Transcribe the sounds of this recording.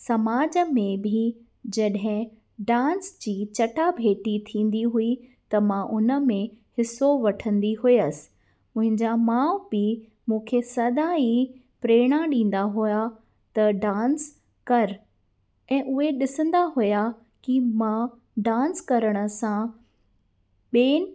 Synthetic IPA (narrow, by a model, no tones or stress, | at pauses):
sɐmaːd͡ʑəmẽbʱɪ | d͡ʑɐɗɦɪ̃ | ɖãːnsd͡ʑiːt͡ɕɐʈabʱeːʈit̪ʰĩːn̆d̪iɦuit̪ɐmãʔʊnə̆mẽhɪsːoʋɐʈʰə̃nd̪iɦʊjəsɪ̥ | mʊ̃ɦɪ̃ɲd͡ʑamãːʊbi | mũːkʰesɐd̪ai | pɾeːɽ̃aɗĩːn̆d̪aɦʊja | t̪ɐɖãːns | kɐɾ | ɛ̃ːʔʊɦeɗɪsə̃nd̪aɦʊja | kimã | ɖãːnskɐɾəɽ̃ə̆sã | ɓeːn